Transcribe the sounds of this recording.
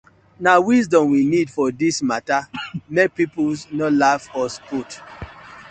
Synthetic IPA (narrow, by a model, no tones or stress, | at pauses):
nawisdɔ̃mwinidfɔdismatamek̚pipulsnɔtlavɔsput